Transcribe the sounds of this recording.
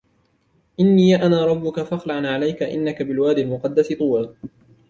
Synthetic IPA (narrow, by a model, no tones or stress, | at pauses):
ʔɪnːiːjaʔanaːɾˤɑbːʊkafaxlaʕanʕalajkaʔɪ̰nːakabɪlwaːd̪ɪlmʊqɑd̪ːasɪt̪ˤuːa